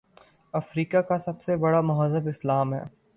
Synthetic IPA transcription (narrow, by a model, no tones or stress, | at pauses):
ɐfɾiːkakasɐbsebɐɽamʊɦəzəbɪslaːmɦɛ̰ː